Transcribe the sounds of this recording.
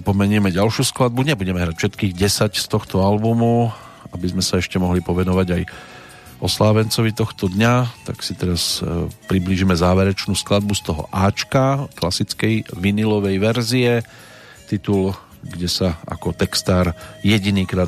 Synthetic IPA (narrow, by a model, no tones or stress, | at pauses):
pɔmɛɲɪɛmɛɟalʃjuːsklad̪̚budɲɛbuɟɛmɛɦɾacfʃɛt̪kiːɣɟɛsacst̪ɔxt̪ɔalbumu | abizmɛsaɛʃcɛmɔɦlipɔʋɛnɔʋaɟaj | ʔɔslaːʋɛnt͡sɔʋit̪ɔxt̪ɔd̪ɲat̪a̰ksit̪ɛɾaspɾibliʒimɛzaːʋɛɾɛt͡ʃnuːsklad̪̚bust̪ɔɦɔ̰ʔaːt͡ʃkaklasit͡skɛjʋinilɔʋɛjʋɛɾziɛ | t̪it̪ul | ɡɟɛsaa̰kɔt̪ɛkst̪aːɾjɛɟiniːkɾaː